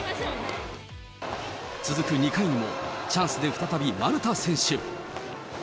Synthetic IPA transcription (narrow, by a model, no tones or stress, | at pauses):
t͡sɨzɨkɯ̟ɲ̟ikaiɲ̟imo̞̰t͡ɕãɰ̃sɨd̪e̞ɸɯ̟t̪at̪abʲimaɾɯ̟t̪asẽ̞ɰ̃ɕɨ